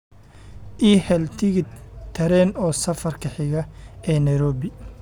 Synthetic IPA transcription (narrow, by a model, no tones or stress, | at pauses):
ʔiːhɛlt̪ʰɪɣɪt̪ʰɐɾɛːnɔːsɐfɐrkʰɐħɪɣɐɛːnɐjɾɔːβɪ